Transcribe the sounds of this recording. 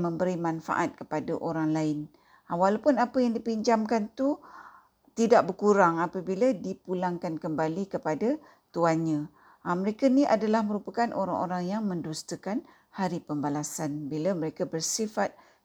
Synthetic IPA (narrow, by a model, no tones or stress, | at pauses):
mə̃mbəɾimãnfa̰ʔat̪̚kə̥padaʔoɾaŋlaɪn | walapʊnapəjaŋdipiɲd͡ʒamkant̪u | t̪idaʔ̚bəkuɾaŋapabiladipulaŋkankəmbalikəpada | t̪uanɲã | əməɾekaniʔadalahməɾupakanʔoɾaŋʔoɾaŋjaŋmə̃ndust̪əkan | haɾipəmbalasanbilaməɾekabərsifat̪̚